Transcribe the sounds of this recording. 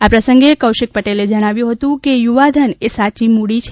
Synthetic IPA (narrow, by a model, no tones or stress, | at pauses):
apɾəsə̃ŋɡekəwʃɪk̚pəʈeled͡ʒəɽ̃aʋjũɦət̪ũkejuʋad̪ʱənesat͡ʃimuɽit͡ʃʰ